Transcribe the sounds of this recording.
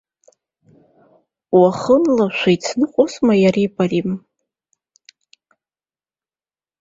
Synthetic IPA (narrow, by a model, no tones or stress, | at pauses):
waχənlaʃʷajt͡sʰnɨqʷʼusmajaripʰʼarim